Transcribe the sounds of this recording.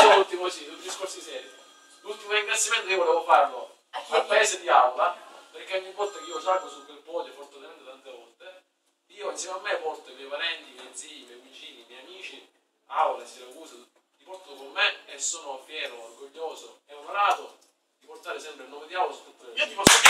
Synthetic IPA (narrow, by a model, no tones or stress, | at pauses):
ult̪ːimosilud̪iskorsoisɛːɾ | lult̪ːimoɾiŋɡɾat̪sːimɛnt̪okiovoleːvofarlo | alpaeːsed̪iawlaperkemːiŋkont̪okeiːosakosukwelpɔʎːefɔrt̪t̪emɛnt̪et̪ant̪evɔlt̪e | iːoinsjɛmamːepɔrt̪omɛjpaɾɛnt̪imjɛjd̪ziːimjɛjvit͡ʃiːnimɛjamiːt͡ʃi | awlasilakuːso | t̪ipɔrt̪okomːeesːoːnofjɛːɾoːrɡoʎːoːsoɛomaɾaːt̪o | d̪iport̪aːɾesɛmpɾelnɔːmed̪iawlasu̥t̪ːut̪ːaipɔ